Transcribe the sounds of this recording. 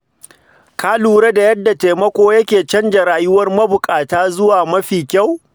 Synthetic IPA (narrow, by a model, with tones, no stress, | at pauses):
kʰaː˦luː˨ɽe˦da˨jɐ˦dːa˨te˨mɐ˦kʷoː˦jɐ˦kʲeː˨t͡ʃɐ˦nd͡ʒɐ˨ɾaː˨jʊ˦wɐ˦rmɐ˦bʊ˨kʼaː˨taː˦zʊ˦waː˨mɐ˦ɸiː˨kʲa˦˨w